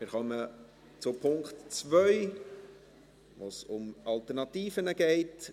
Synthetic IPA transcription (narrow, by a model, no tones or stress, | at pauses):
mɪɾχœmə | t͡sʊpʰʊŋktt͡svœʏ | ʋoːsʊmɑlt̪ɛrnɑt̪iːfənəɡɛɪt